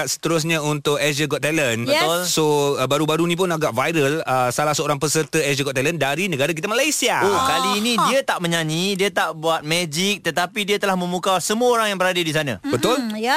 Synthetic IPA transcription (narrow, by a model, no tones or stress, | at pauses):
aʔsə̥t̪əɾʊs̬ɲãunt̪ʊkɛd͡ʒəɡɔt̪ɛlənbət̪ʊlsobaɾubaɾunĩpʊnaɡaʔvajɾələsalahsəoɾaŋpəsərt̪əɛd͡ʒəɡɔʔt̪ɛləndaɾinəɡaɾak̬it̪amalajsiaokaliːnĩdiat̪aʔmə̃ɲaɲĩdiat̪aʔbuat̪̚mɛd͡ʒik̚t̪ət̪apidiat̪əlahmə̃mukasəmuəoɾaŋjaŋbəɾadadisanã̰bət̪ʊl